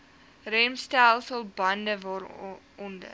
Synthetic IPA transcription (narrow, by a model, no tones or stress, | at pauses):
rɛmstælˠsəlˠbɐndəvɑɾ | ɔndə̰